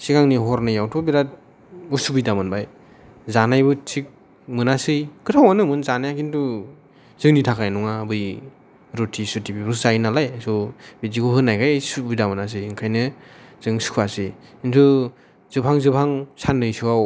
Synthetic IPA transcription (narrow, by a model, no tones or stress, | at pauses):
sikaŋniɦɔɾnajawtʰubiɾat̚ | usubidamɯnbaj | zanajbɯtʰik̚ | mɯnasɯjkɯtʰawanɯmɯnzanajakintu | zɯŋnitʰakʰajnɔŋabɯj | ɾutʰisutibibɾuszajnalajsubitikʰuɦɯnːajkʰajsubijdamɯnas̬ɯjɯŋkʰajnɯz̥ɯŋsu̥kʰuasɯjintʰu | z̥ɯpʰaŋzɯpʰaŋsanɯjsuaw